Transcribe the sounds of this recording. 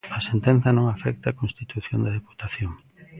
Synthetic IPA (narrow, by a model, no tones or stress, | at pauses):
ɐsent̪ɛ̃n̟θɐnõŋafɛk̚t̪aːkõnst̪it̪uθjond̪ɐðepu̥t̪aθjoŋ